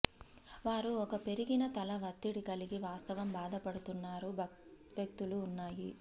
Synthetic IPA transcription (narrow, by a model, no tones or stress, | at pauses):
ʋaːɾuɔkɐpe̞ɾiɡinɐt̪ɐlɐʋɐt̪ːiɽikɐliɡiʋaːst̪ɐʋɐmbaːd̪ɐpɐɽut̪unːaːɾuʋjɐk̚t̪uluːnːaːji